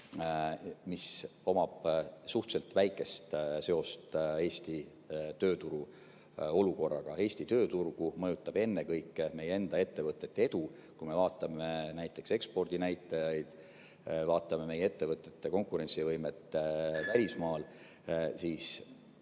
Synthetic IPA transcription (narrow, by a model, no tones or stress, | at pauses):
miso̞mɑb̥suht̪se̞lt̪væjkːˑe̞st̪se̞o̞st̪e̞ːsʲt̪i | t̪øːt̪uɾu | o̞luko̞rːɑ̰ɡ̥ɑ̰e̞ːsʲt̪it̪øːt̪urɡ̥umɤjut̪ːˑɑb̥e̞nːe̞kɤjkːˑme̞jee̞nd̪ɑe̞t̪ːe̞vɤt̪ːˑe̞t̪ːee̞d̪̥u | kujme̞vɑːt̪ːˑɑmenæjt̪ːˑe̞kse̞kspo̞rd̪̥inæjt̪ːˑɑjɑjd̪̥ | vɑːt̪ːˑɑme̞me̞jee̞t̪ːe̞vɤt̪ːˑe̞t̪ˑːeko̞ŋkˑuɾe̞nt̪sivɤjme̞t̪ːˑvælʲismɑːl | siːs